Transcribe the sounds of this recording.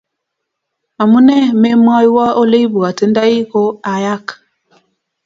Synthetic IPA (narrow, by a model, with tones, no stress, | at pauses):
ma˨mu˦nɛ˦me˦mwa˦ji˦wa˦o˦le˦bu˨a˨te˨˦nda˦i˦ko˦a˨ja˦k